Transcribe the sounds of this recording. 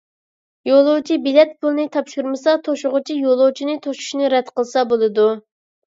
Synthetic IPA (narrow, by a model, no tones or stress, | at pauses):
jolˠowt͡ʃʰibilɛt̪̚pʰulˠɨnɨt̪ʰɑpʃuɾmɨsɑt̪ʰoʃʊʁʊt͡ʃʰijolˠot͡ʃʰinɪt̪ʰoʃu̥ʃnɨɾɛd̪qəlˠɨsɑbolˠɨd̪u